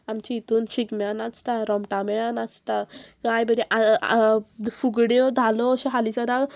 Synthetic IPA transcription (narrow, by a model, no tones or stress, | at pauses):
amt͡ɕiːt̪uːnt͡ɕikmɛɭanat͡st̪aɾɔmʈamɛɭanat͡st̪akajbəd̪iʔa | fuɡɽɔd̪ʱalɔɕɔɦalit͡sɔɾaɡ